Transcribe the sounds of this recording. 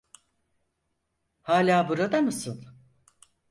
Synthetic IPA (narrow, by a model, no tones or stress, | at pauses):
haːlʲaːbuɾad̪amɯsɯn